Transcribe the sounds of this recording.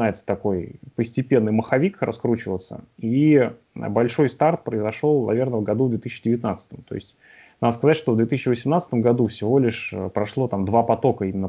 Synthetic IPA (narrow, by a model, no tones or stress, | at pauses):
ajɪt̪sə̥t̪ɐko̞jpəsʲtʲɪpʲe̞nːɨjməxɐvʲikrɐ̰skɾut͡ɕɪvət̪sə̰ḭ | bɐlʲʂo̞jst̪art̪̚pɾəɪzɐʂo̞lˠnɐvʲe̞rnəvɡɐd̪uvd̪vʲet̪isʲːɕt͡ɕɪdʲɪvʲɪt̪nat̪sə̥t̪əmt̪o̞̰ɪ̰sʲtʲ | nad̪əskɐzatʲʂt̪o̞vd̪vʲet̪ɨsɪːɕːɪvəsʲɪmnat̪st̪əmɡɐd̪ufsʲɪvo̞lʲɪʂə̰pɾɐʂlˠo̞t̪amd̪vapɐt̪o̞kəimʲɪnːə